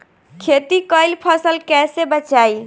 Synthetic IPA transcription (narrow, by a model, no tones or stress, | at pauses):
kʰet̪ikəjlpʰəsəlkɛsebət͡ʃaj